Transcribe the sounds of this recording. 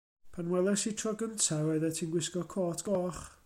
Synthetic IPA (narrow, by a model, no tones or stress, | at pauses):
pʰanwɛlˠɛsitʰrɔɡəntʰawɔɨðɛtʰiːnɡwɪskɔkʰɔːtʰɡ̥ɔːχ